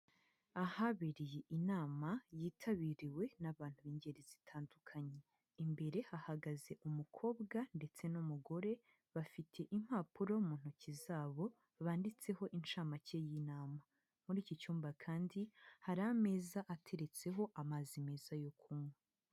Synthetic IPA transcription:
ahaβiɾije̞ʔinaːmajiːtʰaβiɾiwe̞naβaːn̥huβiɲɟe̞ɾizitʰaːndukʰaɲe | imbe̞ɾe̞hahaɡaze̞ʔumukʰo̞ːbɡande̞t͡se̞numuɡo̞ɾe̞ | βafitʰe̞ʔim̥haːpuɾo̞muːn̥hucizaːβo̞ | βaːndit͡se̞ɦo̞ʔint͡ʃaːmace̞jinaːma | muɾiːcit͡ʃuːmbakʰaːndihaɾame̞ːzaʔatʰe̞ɾe̞t͡se̞ɦo̞ʔamazime̞ːzajo̞kʰumŋwe

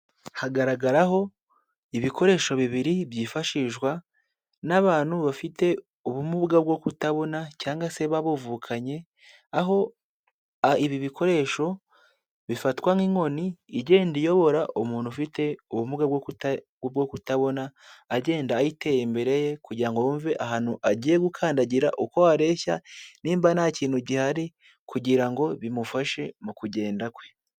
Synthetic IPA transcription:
haɡaɾaɡaɾaɦo̞ | iβikʰo̞ɾe̞ʃo̞βiβiɾiβjiːfaʃiʒɡwa | naβaːn̥huβafite̞ | uβumuβɡabɡo̞kutaβo̞nacaːŋɡase̞βaβovuːkʰaɲe̞ | aɦo̞ | aiβiβikʰo̞ɾe̞ːʃo̞ | βifatwamiŋo̞niːɟe̞ːndijo̞βo̞ɾaʔumuːn̥hufite̞uβumuɡaɡ | bɡokutaβo̞naːɟe̞ːndaːjite̞jembe̞ɾe̞je̞kuɟiɾaŋɡoɱveʔaɦaːnuʔaɟiːjeɡukʰaːndaɟiɾa̰ʔuko̞aɾe̞ça̰niːmbanaciːnhuɟihaɾi | kuɟiɾaŋɡo̞βimufaʃe̞mukuɟe̞ːndakwe̞

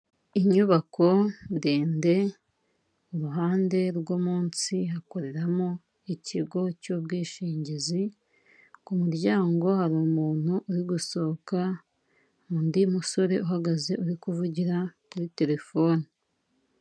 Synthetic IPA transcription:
iɲuβakʰo̞ndeːnde̞ | uɾuɦaːnde̞ɾɡomuːnsiɦako̞ɾe̞ɾamo | icʰiɡo̞cobɡiːʃiːɲɟizi | kumuɾɟaːŋɡo̞haɾomuːn̥uʔːɾiɡuso̞ka | mundimuso̞ɾe̞ʔuɦaɡaze̞ʔuɾikuvuɟiɾakuɾite̞ɾe̞fo̞ːni

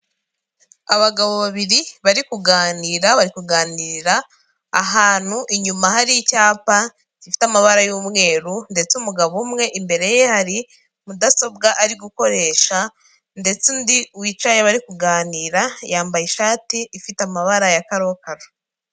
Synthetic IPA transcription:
aβaɡaβo̞βaβiɾiβaɾikuɡaːniːɾaβaɾikuɡaːniɾiɾaː | ɦaːn̥huʔiɲumaɦaɾicaːpa | ɟifi̥tamaβaɾajuːmŋe̞ːɾunde̞t͡seumuɡaβumŋe̞ʔimbe̞ɾe̞jehaɾi | mudaso̞bɡaʔaɾiɡuko̞ɾe̞ːʃa | nde̞t͡sundiwit͡ʃajeβaɾikuɡaːniːɾajaːmbajiʃaːtiːfitamaβaɾajakaɾo̞kaɾo

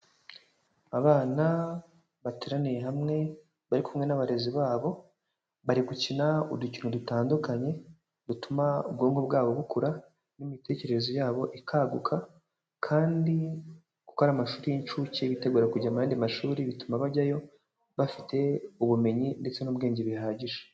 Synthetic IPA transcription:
aβaːna | βatiɾanejeɦamŋe̞ | βaɾikʰumŋe̞naβaɾe̞ziβaːβo̞ | βaɾiɡucinauducinodutaːndukaɲe̞ | dutumaṵb̚ɡuːŋɡub̚ɡaːβo̞βukuɾa | nimite̞ːce̞ɾezo̞jaːβo̞ʔikʰaɡukʰa | kʰaːndi | ku̥ko̞ɾamaʃuːɾijint͡ʃuciβite̞ɡuːɾakuɟamajaːndimaʃuːɾiβitumaβaɟajo̞ | βafite̞uβume̞ɲinde̞t͡se̞nuːbɡe̞ːɲɟiβihaːɟiʒe̥

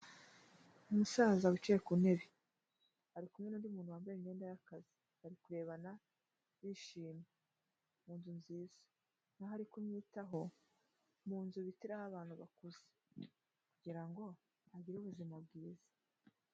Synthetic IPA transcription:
umusaːzaβut͡ʃijekune̞βi | haɾikumŋeniːndiumuːnhuwaːmbeɾiŋe̞ːndajakazi̥ | haɾikuɾe̞ːβana | βiʃiːme | muːnzunziːz̥ḁ | naɦaɾikumɲiːtaɦo̞ | muːnzuβitiɾahaβaːnhuβakuze | kuɟiɾaŋɡo̞ | aɟiɾuβuzimabɡiːizḁ

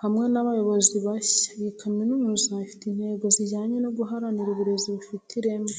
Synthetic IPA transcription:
hamŋe̞naβajo̞βo̞ziβaçajikʰaminumuzaifi̥tin̥heɡo̞ziɟaːɲenoɡuɦaɾaniɾuβuɾe̞ziβufitʰiɾe̞mo

